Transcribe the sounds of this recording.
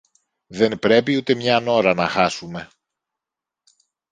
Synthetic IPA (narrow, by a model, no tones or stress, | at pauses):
ðe̞npɾe̞piut̪e̞mɲɐno̞ɾɐnɐxɐsume̞